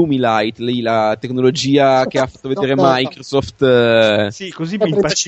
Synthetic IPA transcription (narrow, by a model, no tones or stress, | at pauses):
umilajt̪lɛjlat̪ekːnolod͡ʒiːak̟eafːat̪ːoved̪eːɾemajkɾosɔft̪ | sikozipp